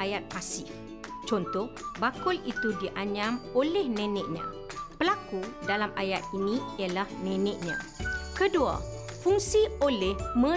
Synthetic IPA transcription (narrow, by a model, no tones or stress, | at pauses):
ajat̪̚pasɪh | t͡ʃɔnt̪ɔhbakʊlit̪udiʔaɲãmolɛhnɛ̃nɛʔ̚ɲã̰ | pəlakudalamajat̪̚inĩjalahnɛ̃nɛ̃ʔɲã̰kədua̰fuŋsiolɛhmə̃